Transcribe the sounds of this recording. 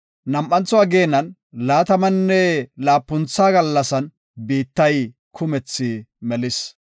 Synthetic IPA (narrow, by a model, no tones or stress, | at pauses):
nɐmʔɐnt͡sːɔɐɡeːnːɐn | laːt̪ɐmɐnːɛlaːpːʊnt͡sːaːɡɐlːɐsɐn | biːt̪ːɐj | kʰʊmɛt͡sːɪmɛlɪs